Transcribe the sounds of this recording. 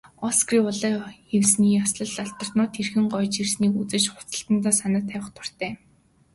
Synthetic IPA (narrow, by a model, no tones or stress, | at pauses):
ɔskriːʊɮaːewsniːjasɮə̆ɮaɬt̪ə̆r̥t̪nʊːt̪ʰːerxɘ̆ŋɢɔjt͡ɕirsniːkut͡sɘ̆t͡ɕχʊ̥t͡sə̥̆ɬt̪ə̆nt̪aːsanə̆t̪ʰːæːwə̆χt̪ʰʊ̥r̥t̪æː